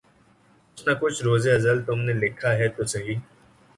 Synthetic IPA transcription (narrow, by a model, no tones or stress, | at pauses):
kʊt͡ʃʰnakʊt͡ʃʰɾoːzeɐzəlt̪ʊmnelɪkʰaɦɛt̪osɐɦiː